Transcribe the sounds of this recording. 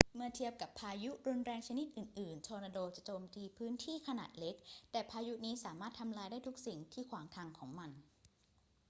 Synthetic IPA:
mɯ˥˩t̪ʰi˧˩əp̚ka˨˩pʰːaː˧ju˦˥ɾu˧nɾɛː˧ŋt͡ɕʰa˧ni˦˥t̪̚ʔɯː˨˩nʔɯː˨˩nt͡ɕʰɔː˧na˧doː˧t͡ɕa˨˩ʔt͡ɕoː˧mt̪iː˧pʰɯː˦˥nt̪ʰiː˥˩kʰa˧na̰ː˨˩t̪̚le˦˥k̚t̪ɛː˨˩pʰaː˧ju˦˥niː˦˥saː˩˦maː˥˩t̪ʰːa˧mlaː˧jdaː˥˩jt̪ʰu˦˥k̚si˨˩ŋt̪ʰiː˥˩kʰwaː˩˦ŋt̪ʰaː˧ŋkʰɔː˩˦ŋma˧n

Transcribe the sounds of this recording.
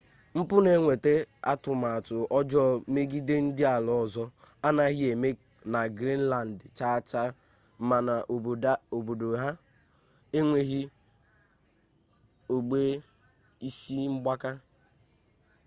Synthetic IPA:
m̩˦pʊ˦ne˨ŋʷe˨te˦a̰˦tʊ˨ma˨a˨tʊ˨ɔ˦d͡ʒɔ˦me˦ɡi˦de˦n̩˦dɪ˦a˨lɔ˦˨zɔ˦ | a˦na˦ɣɪ˦e˨me˦ | na˨ɡɾi˦n̩˦la˨n̩˨dt͡ʃa˦˨t͡ʃa˦ | ma˨na˨ʔo˨bo˨do˨ɦa˦ | e˦ŋʷe˦ɦi˦ | o˨ɡ͡be˦ | i˦si˦ŋ͡m̩˦ɡ͡ba˦ka˦

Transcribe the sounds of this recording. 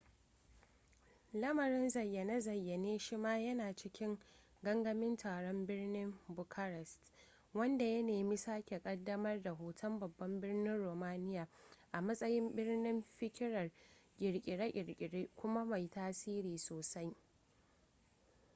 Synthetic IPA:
lɐ˦mɐ˨ɾɪ˦nzɐ˨jːɐ˨na˦zɐ˨jːɐ˨neː˦ʃɪ˦maː˦jɐ˦naː˨t͡ʃɪ˦kʲɪ˦ŋ | ɡɐ˦ŋɡɐ˦mɪ˦ntʰaː˨ɽɔ˦mbɪ˦rnɪ˦mbʊ˨kʰɐ˦ɾɛ˨st | wɐ˦nda˨jɐ˦neː˨mi˦saː˦kʲe˨kʼɐ˦dːɐ˦mɐ˦rda˨ɦoː˨tʰɐ˦mbɐ˨bːɐ˦mbɪ˦rnɪ˦nɽoː˨maː˦nɪ˦jaː˨ʔa˨mɐ˦sʼɐ˦jɪ˦mbɪ˦rnɪ˦mɸɪ˦kʲɪ˦ɽɐ˨rɡʲʼɪ˨ɽkʲʼɪ˨ɽa˦ʔʲʼɪ˨ɽkʲʼɪ˨ɽeː˦kʷʊ˦ma˦ma˨jtaː˦siː˦ɾiː˨soː˨sa˦j

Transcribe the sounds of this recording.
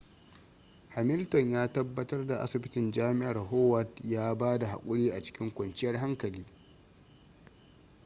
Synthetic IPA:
ha˨mɪ˦ltɔ˨ɲjaː˦tɐ˦bːɐ˦tɐ˦rda˨ʔa̰˦sɪ˨bɪ˦tɪ˨nd͡ʒaː˦mɪ˦ʔa˨rɦoː˦wɐ˦˨tjaː˦baː˦da˨ɦa̰˨kʷʼʊ˦ɽiː˦ʔa˨t͡ʃɪ̥˦kʲɪ˦ŋkʷɔ˨nt͡ʃɪ˦jɐ˦rɦa˦ŋkɐ˨liː˦

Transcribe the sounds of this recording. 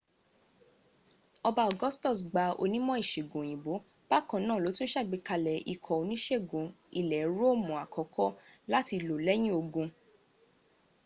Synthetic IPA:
ɔ˧ba˧ɔ˨ɡɔ˦stɔ˦˨sɡ͡ba˧o̰˧nĩ˦mɔ̃˦i˦˨ʃe˨ɡõ˨j̃ĩ˨bo˨˦ | ba˦kɔ̃˨nãː˦˨lo˨˦tũ˦n̩˦ʃɛ˦˨ɡ͡be˨˧ka˧lɛ˨ḭ˨kʰɔ˨o˧nĩ˦ʃɛ˦˨ɡũ˨i˨lɛ˨˦ɾo˦˨mũ˨a˨kʰɔ˨kʰɔ˦la˦ti˧lo˨lɛ˦j̃ĩ˦o˧ɡũ˧

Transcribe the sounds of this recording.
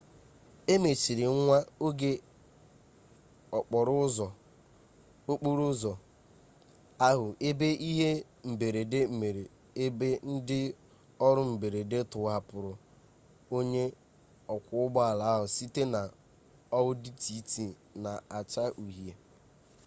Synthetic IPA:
e˦me˨t͡ʃi˨ɾɪ˨ŋ˦ŋʷa˦o˦ɡe˦ | ɔ˨k͡pɔ˨ɾʊ˦zɔ˨ | o˦k͡pu˦ɾu˦zɔ˨ | a˦ɦʊ˨ʔe˦be˦ʔi˦ɦe˦ | m̩˨be˨ɾe˨de˦m̩˨me˨ɾe˨ | e˦be˦n̩˦dɪ˦ | ɔ˦ɾʊ˦m̩˨be˨ɾe˨de˦tʊ˨˦a˨pʊ˨ɾʊ˨ | o˦ɲe˦ | ɔ˨kʷʊ˦ʊ˦ɡ͡bɔ˦a˨la˨˦ɦʊ˨si˦te˦na˨ | ɔ˦wʊ˦di˦ti˨˦ti˨ | na˨a˨t͡ʃa˦ʔu˨ɦi˨e˨

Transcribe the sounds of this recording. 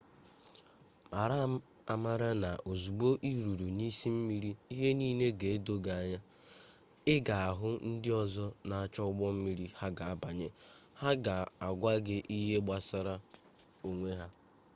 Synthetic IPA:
ma˨ɾa˦ | a˨ma˨ɾa˦na˨ʔo˨zu˨ɡ͡bo˦ʔi˦ɾu˨ɾu˨ni˦si˦m̩˦mi˦ɾi˦i˦ɦe˦niː˦ne˦ɡe˨e˦do˦ɡa˨a˨ɲa˦ | ɪ˦ɡa˨a˨ɦʊ˦n̩˦dɪ˦ɔ˨zɔ˦na˨a˨t͡ʃɔ˦ʊ˦ɡ͡bɔ˦m̩˦mi˦ɾi˦ha˦ɡa˨a˦ba˨ɲe˦ha˦ɡa˨a˨ɡʷa˦ɡɪ˦ʔi˦ɦe˦ɡ͡ba˨sa˦ɾa˦ | o˨ŋʷe˦ɦa˦

